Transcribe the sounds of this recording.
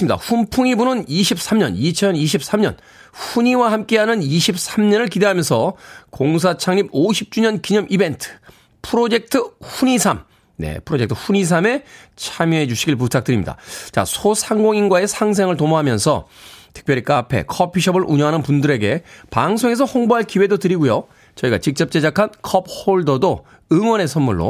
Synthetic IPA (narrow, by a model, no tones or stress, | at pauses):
mida̰ɸumpʰuŋibunɯniɕʰip̚s͈amɲʌ̰nit͡ɕʰʌniɕʰip̚s͈ʰamɲʌ̰n | ɸuɲiwahamk͈e̞ɦanɯniɕʰip̚s͈ʰamɲʌnɯɭkide̞ɦamjʌnsʰʌkoŋs̬ʰat͡ɕʰaŋɲiboɕʰip̚t͡ɕ͈uɲʌnkiɲʌmʔibe̞ntʰɯ̥ | pʰɯɾod͡ʑe̞k̚tʰɯɸuɲisʰam | ne̞̰pʰɯɾod͡ʑektʰɯ̥ɸuɲis̬ʰame̞t͡ɕʰamjuɦe̞d͡ʑuɕʰiɡiɭp̬utʰak̚t͈ɯɾimɲḭda̰t͡ɕa̰sʰosʰaŋɡoŋinɡwae̞sʰaŋs̬ʰeŋɯɭtomoɦamjʌnsʰʌ̰tʰɯ̥k̚p͈jʌɾik͈apʰe̞̰kʰʌpʰiɕʰʌbɯɾʔuɲʌŋɦanɯnpundɯɾe̞ɡe̞paŋsʰoŋe̞s̬ʰʌhoŋboɦaɭkiwe̞dotɯɾiɡujo | t͡ɕʌiɡa̰t͡ɕik̚t͡ɕ͈ʌp̚t͡ɕ͈e̞d͡ʑakʰankʰʌp̚hoɭdʌdo | ɯŋwʌne̞sʰʌnmːuɭːo̰